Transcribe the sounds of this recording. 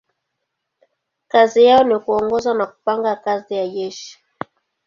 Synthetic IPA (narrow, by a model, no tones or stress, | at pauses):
kazijaɔnikuɔŋɡɔzanaku̥paŋɡakazijajɛʃ